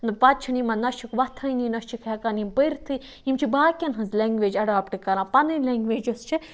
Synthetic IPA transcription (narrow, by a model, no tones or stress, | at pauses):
nɨpɐt̪̚t͡ʃʰinimɐnɐʃikʋɐt̪ʰɐjninɐʃt͡ʃikʰjɛkanimpəjɾt̪ʰɨ | imt͡ʃʰibaːkʲɐnɦɐnzlʲeŋɡʋeːd͡ʒɐɖaːpʈikɐɾãːpɐnɨlʲeŋɡʋeːd͡ʒɐst͡ʃʰi